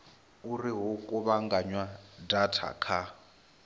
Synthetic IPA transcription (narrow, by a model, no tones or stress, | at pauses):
uriɦukʼuβaŋɡaɲwadatʰa̰kʰa